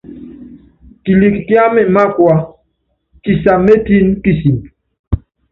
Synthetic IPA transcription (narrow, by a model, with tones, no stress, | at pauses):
ti˨li˨kkja˦mɛ˨ma˦kwa˦ | ti˨sa˨me˦ti˦nki˦si˨m